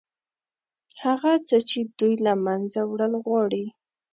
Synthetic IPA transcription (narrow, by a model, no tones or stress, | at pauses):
haɣat͡sət͡ʃɪd̪ujlamanzawɽalɣwɑɽi